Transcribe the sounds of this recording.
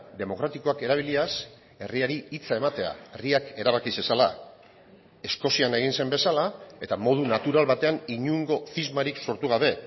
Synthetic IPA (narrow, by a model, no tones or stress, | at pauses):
d̪e̞mo̞kɾat̪iko̞ake̞ɾaβ̞ilias | e̞riaɾiit͡sae̞mat̪e̞a̰eriake̞ɾaβ̞akise̞sala̰ | e̞sko̞siane̞ɣ̞inse̞mbe̞salae̞t̪amo̞ð̞unat̪uɾalβat̪e̞aniɲuŋɡo̞θizmaɾikso̞ɾt̪uɣ̞aβe̞